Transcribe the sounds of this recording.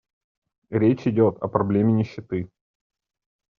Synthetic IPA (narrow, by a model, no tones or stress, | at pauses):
ɾʲet͡ɕɪdʲot̪ɐ̰pɾɐblʲemʲɪnʲɪɕːɪt̪ɨ